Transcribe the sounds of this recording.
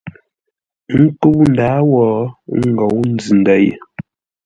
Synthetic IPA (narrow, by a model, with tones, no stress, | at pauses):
ŋ̩˦ku˦wn˨daː˨˦wɔː˨˦ŋ̩˦ɡɔ˨wn̩˦d͡zɨ˨n˨da˨˦jḛ˨